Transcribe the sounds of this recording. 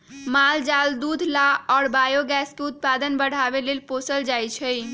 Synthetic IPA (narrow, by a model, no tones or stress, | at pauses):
mald͡ʒald̪ud̪ʱlaɔːɾbajoɡɛskeut̪̚pad̪ənbəɽ̤abelelposəld͡ʒajt͡ʃʰə